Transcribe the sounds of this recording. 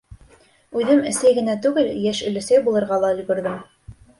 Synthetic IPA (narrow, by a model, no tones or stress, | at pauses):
ʉðɘmɘ̆sæjɡɘ̆næt̪ʉɡɘljæʃɵ̆lɘ̆sæjbulˠɤ̆ɾʁɑlˠɑɵ̆j̪ɡɵ̆ɾðɘm